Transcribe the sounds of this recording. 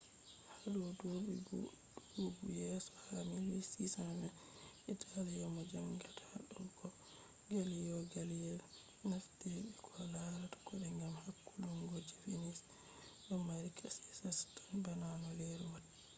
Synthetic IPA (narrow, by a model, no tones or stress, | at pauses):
haɾudobḭ | duuɡujɛsɔ̥hamilwisisannɛ | ʔitʰalajɔmad͡ʒamɡiɾtʰḁɗɔɡɔ | ɡalijɔɡalijɛl | naftiɓikʰɔlaɾatḁkɔɗɛŋɡamhakːuluŋɡod͡ʒifinis | ɗɔmaɾikʰasi̥sastḁnbananɔleɾuwad